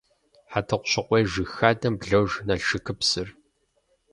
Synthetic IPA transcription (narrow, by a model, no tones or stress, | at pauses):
ħatʰɨqʷʊɕɪqʷʼeːʒɨxaːdɐmbɮɐwʒnɐɮʃɨkʰɨpsɨr